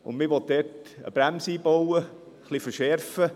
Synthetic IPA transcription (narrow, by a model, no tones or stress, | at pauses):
ʊ̰nmɪʋɔt̚dɛtə̰b̥ɾæmsiːbowə | χlifəɾʃɛɾfə